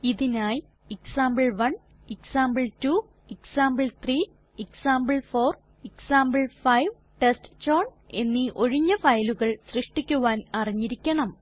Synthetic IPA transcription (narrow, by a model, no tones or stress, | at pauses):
iðinaːj | eksaːmbɨɭʋɐɳ | eksaːmbɨɭtu | eksaːmbɨɭt̪ʰriː | eksaːmbɨɭfoːr | eksaːmbɨɭfɐjʋ | ʈestt͡ɕoːɳ | e̞nːiʔo̞ɻiɲːɐfɐjluɣɐɭsrɨʂʈikʲːuʋaːnɐriɲːiɾikʲːɐɳɐm